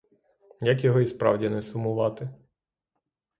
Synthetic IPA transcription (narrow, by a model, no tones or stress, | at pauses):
jɐkjɔɦɔispɾɑ̰wdʲinɛsʊmʊʋɑt̪ɪ